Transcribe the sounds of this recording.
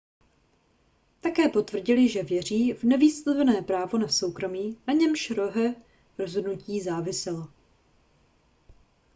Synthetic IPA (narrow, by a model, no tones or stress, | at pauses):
t̪akɛːpo̞t̪vr̩ɟɪlɪʒɛvjɛr̝iːvnɛviːst̪avɛnɛːpɾaːvo̞naso̞wkɾo̞miːnaɲɛmʃɾo̞ɦɛ | ɾo̞zɦodnuciːzaːvɪsɪlo